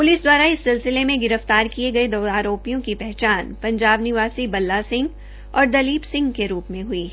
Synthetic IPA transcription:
pʊliːsd̪waːɾaɪsːɪlsɪlemẽɡɪɾəft̪aːɾkieɡɐed̪oːaːɾoːpijõkipɛɦt͡ʃaːnpɐ̃ɲd͡ʒaːbnɪʋaːsibɐlːasɪ̃ŋɡ | ɔːɾd̪ɐliːbsɪ̃ŋɡkeɾuːpmẽɦʊiː

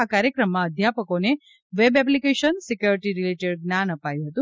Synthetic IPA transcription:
akaɾjəkɾəmːãəd̪ʱjapəkone | ʋebɛp̬likeʃənsikjoɾiʈiɾileʈeɖɡnanəpajũɦət̪ũ

